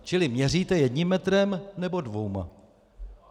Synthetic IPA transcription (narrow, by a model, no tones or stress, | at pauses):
t͡ʃɪlɪmɲɛriːt̪ɛjɛdɲimːɛt̪ɾɛmnɛbo̞dvowma̰